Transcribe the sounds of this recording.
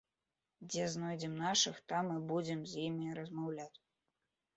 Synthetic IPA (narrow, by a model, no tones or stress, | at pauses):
d͡zʲɛznɔjd͡zʲɛmnaʂɨxt̪amːɨbud͡zʲɛmzʲjimʲiɾɐzmawlʲat͡sʲ